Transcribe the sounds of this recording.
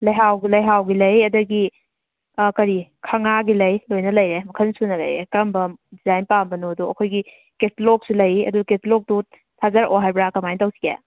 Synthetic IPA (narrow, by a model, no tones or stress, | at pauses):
lɐjɦawɡilɐjɦawɡilɐjɐdɐɡi | kɐɾikʰɐŋaɡilɐjlojnɐlɐjɾemɐkʰɐnsunɐlɐ̰jɾekɐmbɐdizajnpambɐnoɐduɐkʰojɡi | ketlok̚sulɐjɐ̰duketlok̚du | tʰazɐɾo̰ɦajbɾakɐmajntawsi̥ɡḛ